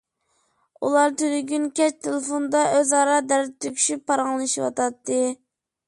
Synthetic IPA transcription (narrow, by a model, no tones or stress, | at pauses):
ṵlˠɑɾt̪ʰyɾyɡʲynkʲɛt͡ʃt̪ʰelefond̪ɑøzɑɾɑd̪æɾd̪t̪ʰːykʲʰy̥ʃypʰːɑɾɑŋlˠɨʃiwɑ̰t̪ɑt̪ʰːɨ